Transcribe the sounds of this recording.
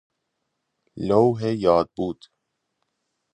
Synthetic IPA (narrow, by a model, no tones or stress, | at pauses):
lowɦejɒːd̪̚buːd̪̥